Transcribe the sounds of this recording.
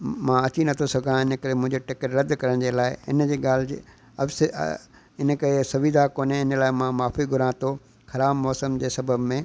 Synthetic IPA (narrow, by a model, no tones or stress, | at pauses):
mãɐt͡ɕinɐt̪ʰosɐɡʱãɪnəkɐɾemʊ̃ɦɪ̃ɲd͡ʑeʈɪkəɾɾɐd̪kɐɾəɽ̃d͡ʑeːlaːɪɪ̰nd͡ʑeːɡaːl̤ɪd͡ʑ̰ | ɐ̰fs | ɪnə̆kɐɾesɐʋid̪ʱakoːneɪnəlaːɪmãmaːfiɡʱʊɾãːt̪ʰo | xɐɾaːbmɔːsəmd͡ʑeːsɐbʱəbmẽː